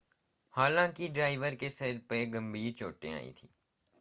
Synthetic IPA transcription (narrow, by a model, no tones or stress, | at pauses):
haːlãːkiɖɾaːɪʋəɾkesɛɾpeɡə̃mbiːɾt͡ʃoːʈḛ̃a̰ːḭt̪ʰiː